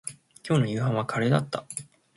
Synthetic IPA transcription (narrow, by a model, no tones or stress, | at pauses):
kʲo̞ːnojɯ̟ːɦãɰ̃βakʰaɾe̞ːd̪at̪ːa